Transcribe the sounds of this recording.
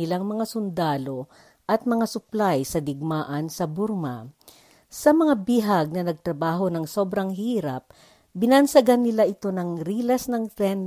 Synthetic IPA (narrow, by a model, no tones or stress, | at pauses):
ɪlaŋmɐŋasʊnd̪aːlo̞ | ʔɐt̪̚mɐŋasʊplajsɐd̪ɪɡ̚maːʔɐnsɐbʊɾma̰ | sɐmɐŋabiɦaɡ̚nɐnɐɡ̚t̪ɾɐbaːɦo̞nɐŋso̞ːbɾɐŋhiːɾɐ̰p̚ | bɪnɐnsɐɡanːɪlaʔɪt̪o̞nɐŋɾiːlɐsnɐŋt̪ɾɛn